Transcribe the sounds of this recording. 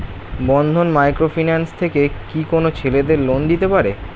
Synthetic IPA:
bɔnd̪ʱonmajkɾofinanst̪ʰekekikonot͡ɕʰeled̪eɾlond̪it̪epaɾe

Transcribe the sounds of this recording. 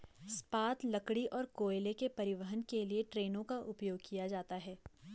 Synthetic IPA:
spaːt̪lɐkɽiʔɔːɾkoːelekepɐɾɪʋəɦənkelieʈɾeːnõkaʔʊpjoːɡ̚kijad͡ʒaːt̪aɦɛː

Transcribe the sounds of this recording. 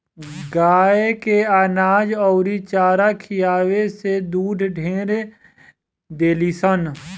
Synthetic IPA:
ɡaːekeaːnaːd͡ʒɔːɾit͡ʃaːɾakʰijaːwesed̪uːɖɖʱẽːɾe | d̪eːlisən

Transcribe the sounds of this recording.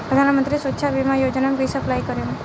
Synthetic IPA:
pɾəd̪ʱanmənt̪ɾisətːʃʰabimãjod͡ʒnampisəplajkəɾjo

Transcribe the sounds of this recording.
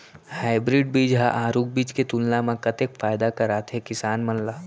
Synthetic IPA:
haːɪbɾɪːɖ̚biːd͡ʒɦa̰ʔaːɾuːk̚biːd͡ʒket̪ulnamãkɐt̪ekfaːjd̪akaɾaːt̪ʰɦekɪsaːnmɐnlaː

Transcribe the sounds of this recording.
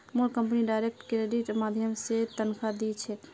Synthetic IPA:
moɽkəmp̬niɖajɾek̚ʈkɾeɖiʈmad̪ʱjəmset̪ənkʰad̪it͡ʃʰɛ

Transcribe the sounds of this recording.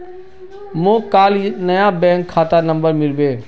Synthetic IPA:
mõːkaːlnəjabɛ̃ːŋkʰːaːt̪anə̃mbəɾmɪɾbeː

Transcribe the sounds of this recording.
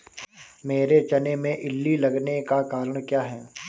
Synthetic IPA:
meːɾet͡ʃɐnemẽʔɪlːilɐɡnekakaːɾəɽ̃kjaːɦɛː

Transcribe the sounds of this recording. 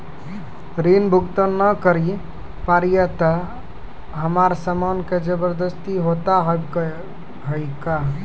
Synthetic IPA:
ɾinbʱuɡt̪ənːəkəɾi | paɾijət̪ə | ɦəmaɾsəmanked͡ʒəbəɾd̪əst̪iɦot̪aɦ | ɦəjka

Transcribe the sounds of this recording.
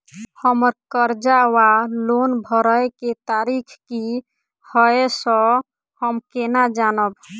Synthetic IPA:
həməɾkəɾd͡ʒawalonbʱəɾəeket̪aɾikʰki | həesɔ̃ | həmkenad͡ʒanəb

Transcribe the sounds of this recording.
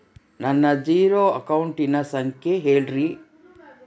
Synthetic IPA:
nɐnːɐd͡ʒiːɾoːɐkɐwuɳʈinɐsɐŋkʰeɦeːlɾi

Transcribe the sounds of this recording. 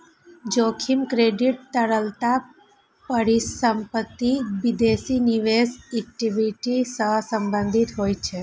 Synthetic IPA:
d͡ʒokʰimkɾeɖiʈ̚t̪əɽəlt̪a | pəɽisəmpət̪ːiʋid̪esiniʋesek̚ʈiʋiʈisəsə̃mbə̃nd̪ʱit̪ɦojt͡ʃʰe

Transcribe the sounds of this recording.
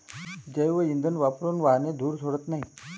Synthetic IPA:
d͡ʑəjʋəind̪ʱənʋapɾonʋaɦned̪ʱuːɾt̪ʰoɽət̪naɦi

